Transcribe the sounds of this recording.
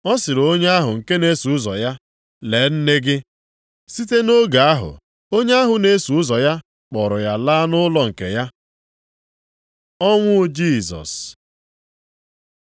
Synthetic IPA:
ɔ˦sɪ˨ɾo˦ɲe˦a˦ɦʊ˨ŋ̩˨ke˦ne˦su˨ʊ˦zɔ˨ja˦ | le˨˦n̩˦ne˦ɡɪ˦ | si˦te˦no˦ɡa˨a˦ɦʊ̰˨ | o˦ɲe˦a˦ɦʊ˨ne˦su˨ʊ˦zɔ˨ja˦ | k͡pɔ˨ɾʊ˨ja˨laː˦nʊ˦lɔ˨ŋ̩˨kḛ˨ja˦ | ɔ˦ŋʷʊ˦d͡ʒi˦˨zɔ̰˨s

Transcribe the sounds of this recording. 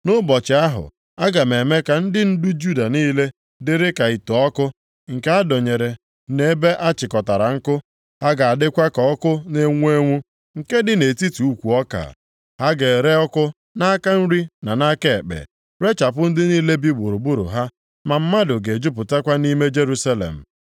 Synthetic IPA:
nʊ˦bɔ˨t͡ʃɪ˨a˦ɦʊ̰˨ | a˦ɡa˨me˨me˦ka˨n̩˦dɪ˦n̩˦du˦d͡ʒu˦da˨niː˦le˦ | dɪ˨ɾɪ˦ka˨i˨tɔ˨ɔ˦kʊ˦ | ŋ̩˨ke˦a˦do˨ɲe˨ɾe˨ | ne˦e˦be˦ʔa˦t͡ʃɪ˨kɔ˨ta˨ɾa˨ŋ̩˦kʊ˦ | ha˦ɡa˨a˨dɪ˦kʷa˦kɔ˨ɔ˦kʊ˦ne˦ŋʷ˦e˦ŋʷu˦ | ŋ̩˨ke˦dɪ˨ne˨ti˦tu˨u˦kʷu˨ɔ˦ka̰˨ | ha˦ɡe˨ɾe˦ɔ˦kʊ˦ | na˦a˦ka˦n̩˦ɾi˦na˨na˦ke˦˨e˨k͡pḛ˨ | ɾe˦t͡ʃa˨pʊ˦n̩˦dɪ˦niː˦le˦bi˦ɡ͡bu˨ɾu˨bu˦ɾʊ̰˨ɦa˦ | ma˨m̩˦ma˦dʊ˨ɡe˨d͡ʒʊ˦pʊ˨ta˦kʷa˦ni˦me˦d͡ʒe˦ɾu˦sa˦lḛ˨m̩˨

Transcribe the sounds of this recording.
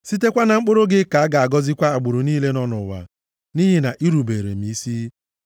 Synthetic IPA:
si˦te˦kʷa˦na˨ŋ͡m̩˦k͡pʊ˦ɾʊ˦ɡɪ˦ka˨a˦ɡa˨a˨ɡɔ˦zɪ˦kʷa˦a˨ɡ͡bʊ˨ɾʊ˨niː˦le˦nɔ˦nʊ˨wa̰˨ | ni˦ɦe˨na˨ʔi˦ɾu˨be˨ɾḛ˨m̩i˨˦si˦

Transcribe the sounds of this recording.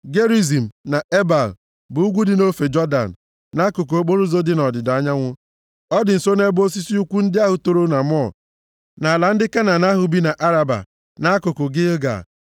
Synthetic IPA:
ɡe˦ɾi˦zi˨m̩˨na˨ʔe˦ba˨l | bʊ˨u˦ɡʷu˦dɪ˨no˦fe˨d͡ʒɔ˦da̰˨n˨ | na˦kʊ˨k̬o˨o˦k͡po˦ɾu˦zo˦dɪ˦nɔ˨dɪ˨da˦ɲa˦ŋʷʊ˦ | ɔ˦dɪ˨n̩˨so˦ne˦bo˦s̬i˦si˦u˦kʷu˦n̩˦dɪ˦a˦ɦʊ˨to˦ɾo˦na˨m˦ɔ˦˨ | na˨la˨n̩˦dɪ˦ka˦na˨na˦ɦʊ˨bi˦na˨ʔa˦ɾa˨ba̰˨ | na˨˦a˦kʊ˨kʊ˨ɡɪ˦ɡa̰˨

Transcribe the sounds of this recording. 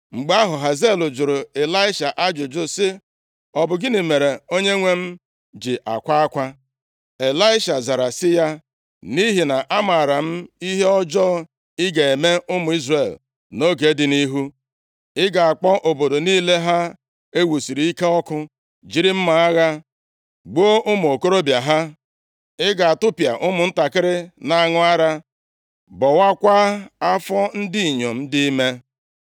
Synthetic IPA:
ŋ͡m̩˨ɡ͡ba˦ɦʊ˨ɦa˨ze˦˨lʊ˨d͡ʒʊ˨ɾʊ˨e˨la˦ɪ˦ʃa˨ʔa˦d͡ʒʊ˨d͡ʒʊ˦sɪ˦ | ɔ˨bʊ˨ɡɪ˦ne˨me˨ɾe˨o˦ɲe˦ŋʷe˦m̩˦ | d͡ʒɪ˨ʔa̰˨kʷa˦a˦kʷa˦ | e˨la˦ɪ˦ʃa˨za˨ɾa˨sɪ˦ja˦ | ni˦ɦi˨na˨ʔa˦ma˨ɾa˨m̩˦i˦ɦe˦ɔ˦d͡ʒɔː˦ | ɪ˦ɡa˨e˨me˦ʔʊ˦mʊ˨i˦zre˨l | no˦ɡe˨˦dɪ˨˦ni˦ɦu˦ | ɪ˦ɡa˨a˨k͡pɔ˦ʔo˨bo˨do˨niː˦le˦ɦa˦ | e˦wu˨si˨ɾi˨˦i˦ke˦ɔ˦kʊ˦ | d͡ʒi˦ɾɪ˦m̩˦ma˨a˦ɣa˦ | ɡ͡bo˦ʔʊ˦mʊ˨o˨ko˦ɾo˦bja˨ɦa˦ | ɪ˦ɡa˨a˨tʊ˦pja̰˨ʔʊ˦mʊ˨n̩˦ta˨kɪ˦ɾɪ˦na˨a˦ŋʊ˦a˦ɾa˦ | bɔ˨wa˦kʷa˦a˦fɔ˦n̩˦di˦i˨ɲo˨m̩˦dɪ˦i˦me˦

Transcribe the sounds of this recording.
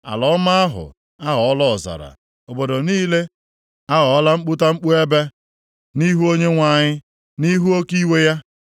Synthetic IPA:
a̰˨lɔ˨˦ma˦a˦ɦʊ̰˨ | a˦ɦɔ˨˦lɔ˦˨za̰˨ɾa̰˨ | o˨bo˨do˨niː˦le˦ | a˦ɣɔ˨˦la˦ŋ͡m̩˦k͡pʊ˦ta˦ŋ͡m̩˦k͡pu˦e˦be˦ | ni˦ɦu˦o˦ɲe˦ŋʷa˨ɲɪ˦ | ni˦ɦu˦o˦ki˦we˦ja˦

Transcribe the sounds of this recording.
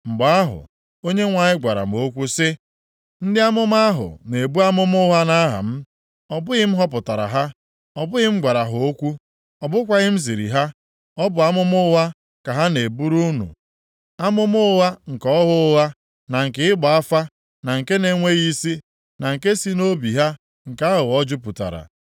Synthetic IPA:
ŋ͡m̩˨ɡ͡ba˨a˦ɦʊ̰˨ | o˦ɲe˦ŋʷa˨ɲɪ˦ɡʷa˨ɾa̰˨m˨o˦kʷu˦sɪ˦ | n̩˦dɪ˦a˦mʊ˦m˦a˦ɦʊ̰˨ne˨bu˦a˦mʊ˦mʊ˦ɦa˦na˦ɦa̰˨m̩˦ | ɔ˦bʊ˦ɣɪ˦m̩˦ɦɔ˦pʊ˨ta˨ɾa̰˨ɦa˦ | ɔ˨bʊ˦ɪ˦m̩˦ɡʷa˨ɾa˨ɦʊ˨o˦kʷu˦ | ɔ˨bʊ˦kʷa˦ɣɪ˦m̩˦zi˨ɾḭ˨ɦa˦ | ɔ˦bʊ˨a˦mʊ˦mʊ˦ɦa˦ | ka˨ɦa˦ne˨bu˦ɾu˦nṵ˨ | a˦mʊ˦mʊ˦wa˦ŋ̩˨kɔ˦ɦʊ˦ɣa˦ | na˨ŋ̩˨kɪ˦ɪ˦ɡ͡ba˨a˦fa˦ | na˨ŋ̩˨ke˦ne˨ŋʷe˦ɣi˦si˦ | na˨ŋ̩˨ke˦si˦no˦bi˨ɦa˦ | ŋ̩˨ka˦ɦʊ˨ɔ˦d͡ʒʊ˦pu˨ta̰˨ɾa̰˨

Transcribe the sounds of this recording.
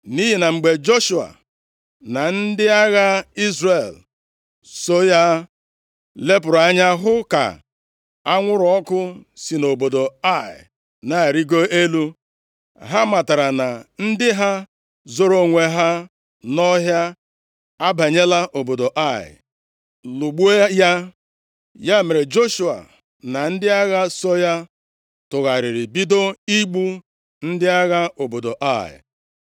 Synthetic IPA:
ni˦ɦi˨na˨ŋ͡m̩˨ɡ͡be˨d͡ʒo˦ʃu˨a̰˨ | na˨n̩˦dɪ˦a˦ɣa˦i˦zre˨l | so˦ja˦ | le˦pʊ˨ɾa˨a˦ɲa˦ɦʊ˦ka̰˨ | a˦ŋʷʊ˦ɾʊ˨ɔ˦kʊ˦si˨no˨bo˨do˨a˦˨ɪ̰˨ | na˦˨ɾi˦ɡo˦e˦lu˦ | ɦa˦ma˨ta˨ɾa˨na˨n̩˦dɪ˦ɦa˦ | zo˦ɾo˦ŋʷe˨ɦa˦ | nɔ˦ɦja˦ | a˦ba˨ɲe˦la˦ʔo˨bo˨do˨ʔa˦˨ɪ̰˨ | lu˨ɡ͡bu˦e˦ja˦ | ja˦me˨ɾe˨d͡ʒo˦ʃu˨a̰˨ | na˨n̩˦dɪ˦a˦ɣa˦sɔ˦ja˦ | tʊ˨ɣa˨ɾɪ˨ɾɪ˨bi˦do˦i˦ɡ͡bu˦ | n̩˦dɪ˦a˦ɣa˦o˨bo˨do˨ʔa˦˨ɪ̰˨

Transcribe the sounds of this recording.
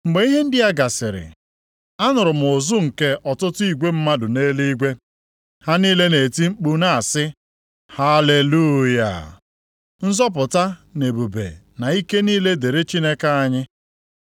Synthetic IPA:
ŋ͡m̩˨ɡ͡be˨˦i˦ɦe˦n̩˦dɪ˦a˦ɡa˨sɪ˨ɾɪ̰˨ | a˦nʊ˨ɾʊ˨m̩˨o˨zu˦ŋ̩˨ke˦ʔɔ˨tʊ˦tʊ˦i˨ɡʷe˦m̩˦ma˦dʊ˨neː˦li˦ɡʷe˦ | ha˦niː˦le˦ne˨ti˦ŋ͡m̩˦k͡pu˦na˨a˨sɪ˦ | ha˦le˨lu˦ja̰˨ | n̩˦zɔ˦p̬ʊ˨ta˦ne˨bu˨bḛ˨ | na˨i˦ke˦niː˦le˦de˨ɾe˦t͡ʃi˦ne˦ka˦a˨ɲɪ˦

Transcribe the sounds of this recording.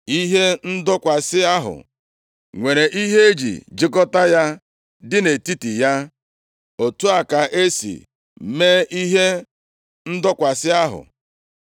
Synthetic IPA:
i˦ɦe˦n̩˦dʊ˦kʷa˨sɪ˦a˦ɦʊ̰˨ | ŋʷe˨ɾe˨ʔi˦ɦe˦e˦d͡ʒḭ˨d͡ʒɪ˦kɔ˦ta˦ja˦ | dɪ˦ne˨ti˦ti˨ja˦ | o˨tu˦a˨ka˨ʔe˦sḭ˨ | me˦ʔi˦ɦe˦ | n̩˦dʊ˦kʷa˨sɪ˦a˦ɦʊ̰˨

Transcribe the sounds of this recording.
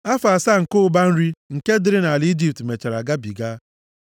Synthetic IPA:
a˦fa˨sa˦ŋ̩˨kʊ˦ʊ˦ba˦n̩˦ɾi˦ŋ̩˨ke˦dɪ˦ɾɪ˦na˨lɪ˦d͡ʒi˨p̚tme˨t͡ʃe˨ɾa˨ɡa˦bi˨ɡa˦

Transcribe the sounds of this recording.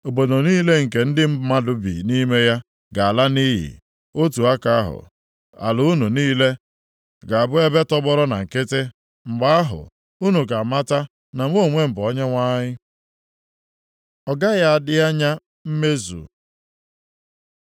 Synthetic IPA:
o˨bo˨do˨niː˦le˦ŋ̩˨ke˨n̩˦dɪ˦m̩˦ma˦dʊ˨bḭ˨ni˦me˦ja˦ | ɡa˨a˨la˦ni˦ɦḭ˨ | o˦tu˨a˦ka˦a˦ɦʊ̰˨ | a̰˨lʊ˨u˦nu˨niː˦le˦ | ɡa˨a˨bʊ˦e˦be˦tɔ˦ɡ͡bɔ˦ɾɔ˦na˨ŋ̩˨ke˦te˦ | ŋ͡m̩˨ɡ͡ba˦a˦ɦʊ̰˨ | u˦nu˨ɡa˨ma˦ta˦ | na˨ŋʷ˦o˦˨ŋʷe˦m̩˨bʊ˨ɔ˦ɲa˦ŋʷa˦ɲɪ˦ | ɔ˨ɡa˦ja˦a˨dɪ˦a˦ɲa˦ | m̩˦me˦zṵ˨

